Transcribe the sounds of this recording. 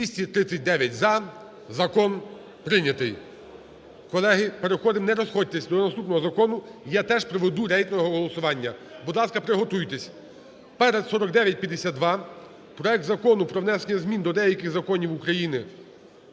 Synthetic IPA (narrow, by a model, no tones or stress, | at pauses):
ʋʲisʲtʲit̪ɾɪt͡sʲsʲːɐt̚ʲd̪ɛʋʲjɐtʲzɐ | zɐkɔn | pɾɪnʲɐt̪ɪj | kɔlˠɛɦɪpeɾexɔd̪ɪmnɛɾɔsxɔd̚ʲt̪esʲd̪ɔnɐst̪upnɔɦɔzɐkɔnʊjat̪ɛʒpɾɔʋed̪uɾɛjk̪nɔɔɦɔɦɔlˠɔsʊʋɑnʲːɐbud̪lˠɑskɐpɾɪɦɔt̪ujt̪esʲ | pɛɾɛd̪sɔɾɔk̚d̪ɛʋʲjɐt̚ʲpʲjɐd̪esʲad̪̚d̪ʋɑ | pɾɔɛk̚t̪zɐkɔnʊpɾɔʋnɛsenʲːɐzmʲind̪ɔd̪ɛjɐkɪxzɐkɔnʲiwukɾɐjinɪ